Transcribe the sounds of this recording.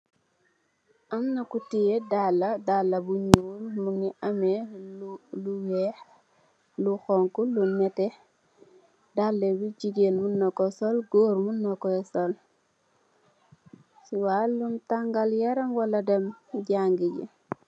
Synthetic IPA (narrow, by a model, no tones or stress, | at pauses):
ʔɐmnɐkutijɛdalːɐdalːɐbuɲuːlmuŋniʔɐmɛ | luwɛx | luxɔŋkulunmɛtɛ | dalːɛbiɟiɡeːnmunːɐkɔsɔlɡoːɾmunːɐkɔsɔl | siwaːluntaŋɡɐljɐɾɐŋwɐlɐdɐmɟaŋɡiɟḭ